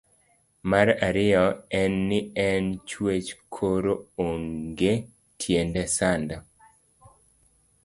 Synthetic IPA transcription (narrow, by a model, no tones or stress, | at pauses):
maɾaɾɪɔɛnːɪɛnt͡ʃwet͡ʃkʰoɾooŋɡe | tʰjendɛsanda